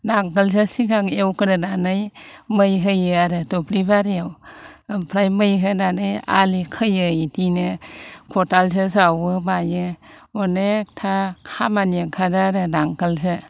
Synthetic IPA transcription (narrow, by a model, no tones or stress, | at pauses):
naŋkəls̬ɯsikʰaŋewkɯɾɯnanɯjmɯjɦɯjɯaɾɯtoplibaɾijaw | pʰɾajmɯjɦɯnanɯja̰likʰɯjɯjtʰinɯkʰɔtals̬ɯsawɯmajɯɔnetʰahamanjɯkʰadaɾɯnaŋkəls̬ɯ